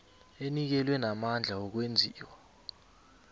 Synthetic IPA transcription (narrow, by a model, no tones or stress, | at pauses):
enik̬ɛlwɛnamand͡ɮʱaɔk̬wend͡zʱiːwa